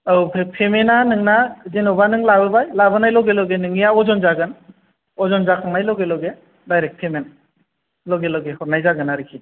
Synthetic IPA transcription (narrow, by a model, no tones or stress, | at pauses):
awpʰepʰemenanɯŋnazenobanɯŋlabɯbajlabɯnajlɔɡelɔɡenɯŋijaɔzɔnzaɡɯn | ɔzɔnzakʰaŋnajlɔɡelɔɡe | dajɾek̚pʰemen | lɔɡelɔɡehɔɾnajzaɡɯnaɾikʰi